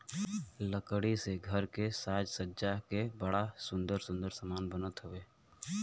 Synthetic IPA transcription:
ləkɽiseɡʱəɾkesaːd͡ʒsədd͡ʒakebəɽasʊ̃nd̪əɾsʊ̃nd̪əɾsəmaːnbənət̪ɦʊʋeː

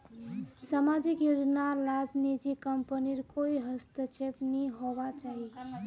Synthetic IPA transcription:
samad͡ʒikjod͡ʒnalad̪ʱnid͡ʒikəmpəniɾkoiɦəst̪ət͡ʃʰepniɦobat͡ʃaɦi

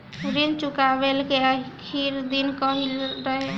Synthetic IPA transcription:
ɾint͡ʃukabelkeəkʰiɾd̪inkəɦilɾəɦe

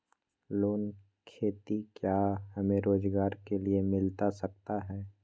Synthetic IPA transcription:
loːn | kʰeːt̪ikjaːɦɐmẽɾoːd͡ʒɡaːɾkeliemɪlt̪asɐk̚t̪aɦɛː

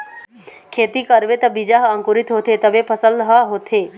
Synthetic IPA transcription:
kʰeːt̪ikəɾʋet̪əbid͡ʒaɦə̃ŋkuɾit̪ɦoːt̪ʰet̪əʋepʰəsəlɦaɦot̪ʰe

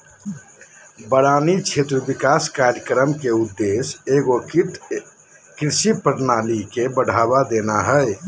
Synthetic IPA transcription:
bəɽanit͡ʃʰet̪ɾəbikaskaɾɾjəkɾəmkeud̪ːeseɡo | kɾiʃipəɾnalikebəɽ̤ʱabad̪enaɦə

